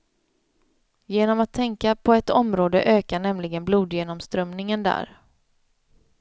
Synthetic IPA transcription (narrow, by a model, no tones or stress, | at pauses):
jeːnɔmat̪ʰːɛŋkapʰɔɛt̪ɔmɾoːd̪ə̰ʔøːkaɳɛmlɪɡənbluːd̪jeːnɔmst̪ɾœmnɪŋənd̪æ̰ːɾ